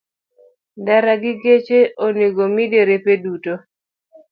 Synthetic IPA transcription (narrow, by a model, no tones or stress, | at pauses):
daɾaɡɪɡet͡ʃeʔoniɡomideɾepeduto